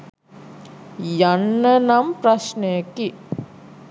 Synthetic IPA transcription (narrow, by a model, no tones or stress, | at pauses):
janːənampraʃnəjəki